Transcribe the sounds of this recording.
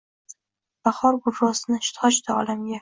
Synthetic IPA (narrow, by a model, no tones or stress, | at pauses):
b̥aχɒɾɡʊɾːɒsɪnɪʃt̪ʰɒt͡ʃt̪ʰaɒ̰lamɡʲa